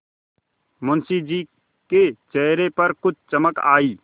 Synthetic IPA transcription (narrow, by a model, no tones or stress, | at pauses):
mʊnsid͡ʒiː | ket͡ʃɛɦɾepəɾkʊt͡ʃʰt͡ʃəməka̰ːiː